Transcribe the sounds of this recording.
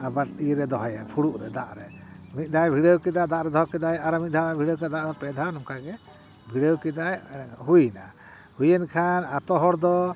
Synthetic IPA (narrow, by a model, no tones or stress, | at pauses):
abaʈiɾɛd̪ɔɦɔjapʰuɽuʔɾɛd̪aʔɾɛmit̪̚ˀd̪ajbʱiɽewkɛd̪ad̪aʔɾɛd̪ɔɦɔkɛd̪ajaɾamit̚d̪ʱawɛbʱiɽəwkad̪aʔɾɔpɛd̪ʱawnɔmkaɡɛ | bʱiɽəwkɛd̪ajɦujna | hujɛnkʰanat̪ɔɦɔɾd̪ɔ